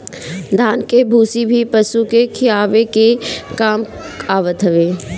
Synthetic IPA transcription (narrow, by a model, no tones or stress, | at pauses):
d̪ʱaːnkebʱuːsibʱipɐsukekʰɪjaːʋekekaːm | aːʋət̪ɦɐʋeː